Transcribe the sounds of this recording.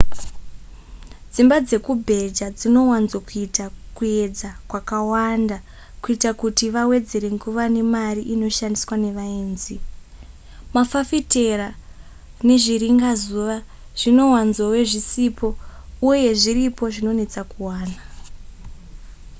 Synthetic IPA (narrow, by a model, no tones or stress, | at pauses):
d͡zimbad͡ze̞kubʱe̞d͡ʒad͡zino̞wanzwakuitakue̞d͡zakwakawanda | kuitakutiʋawe̞d͡ze̞ɾe̞ŋɡuʋane̞mariʔino̞ʃandiswane̞ʋaeːnzi | mafafite̞ra | ne̞ʐiɾiŋɡazuʋa | ʐ̥ino̞wanzowe̞ʐisipʰo̞uje̞ʐiɾipo̞ʐino̞ne̞t͡sakuwaːna